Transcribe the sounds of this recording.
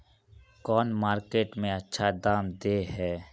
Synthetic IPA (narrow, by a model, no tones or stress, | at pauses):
kɔːnmaːɾkeːʈmẽɐtːʃʰad̪aːmd̪eːɦɛː